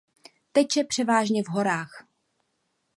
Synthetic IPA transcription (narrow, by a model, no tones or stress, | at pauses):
t̪ɛcjɛpr̥ɛvaːʒɲɛvɦo̞ɾaːx